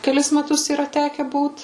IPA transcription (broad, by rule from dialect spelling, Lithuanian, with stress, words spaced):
kʲɛˈlʲɪs mʲɛˈtʊs iːˈrɐ ˈtʲæːkʲɛ ˈbuːt